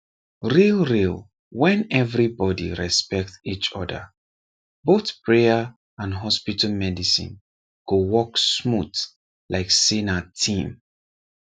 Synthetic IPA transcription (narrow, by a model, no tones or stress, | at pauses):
ɹilˠɹil | wɛ̃nɛvɹibɔdḭɹɛspɛk̚tit͡ʃɔ̰də̰ | boθpʰɹeə | ãnɦɔspitəlˠmɛdisḭ̃n | ɡ̥owɔksmut | laɪksinatʰĩm